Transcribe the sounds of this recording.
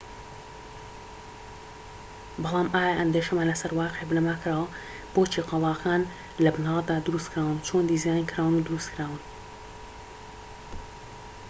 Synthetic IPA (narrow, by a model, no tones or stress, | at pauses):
bɨlˠɑːmʔaːjaʔɐnd̪eːʃɐmalɐsɐɾwɑːqeʕebɨnɐmaːkʰɾaːwɐ | b̥oːt͡ʃʰiqɑlˠɑːkʰaːn | lɐbɨnaːld̪aːd̪ɨɾust̪kɾaːwɨnt͡ʃʰond̪iːzjaːnikʰɨɾaːwɨnud̪ʊɾust̪kɾaːwɨn